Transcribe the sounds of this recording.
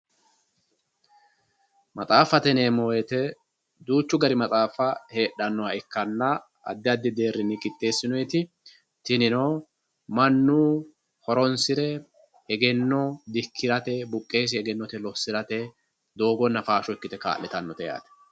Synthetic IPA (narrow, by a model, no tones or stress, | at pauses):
mɐt͡sʼaːfɐt̪ɛneːmoːjɛt̪ɛ | d̪uːt͡ʃːʊɡɐɾɪmɐt͡sʼaːfɐhe̞ːɗːɐnːɔwɐɛkːɐnːɐ | ɐ̰d̪ːɪɐd̪ːɪd̪e̞ːrːɪnɪkʼɪt̪ʼːe̞ːsːɪnɔjɛt̪ɪ | t̪ɪnɪnoː | mɐnːuː | hɔɾɔnsɪɾɛ | hɛɡɛnːɔd̪ɪkʰːɪɾɐt̪ɛbʊkʼːe̞ːs̬hɛɡɛnːɔt̪ɛlɔsːɪɾɐt̪ɛ | d̪o̞ːɡɔnːɐfaːʃɔɪkːɪt̪ɛka̰ːlːɛt̪ɐnːɔt̪ɛja̰ːt̪ɛ̥